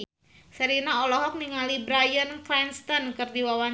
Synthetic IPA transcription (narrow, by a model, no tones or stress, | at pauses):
səɾinaɔlɔɦɔk̚niŋalibɾajənklɛnst̪ɔnkərdiwawaɲ